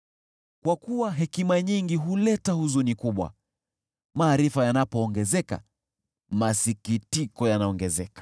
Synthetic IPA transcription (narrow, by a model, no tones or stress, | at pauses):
kwakuwaɦɛkimaɲiŋɡiɦulɛtahuzunikuɓwa̰ | maːɾifajanapɔːŋɡɛzɛka̰ | masikitikɔjanaɔŋɡɛzɛkḁ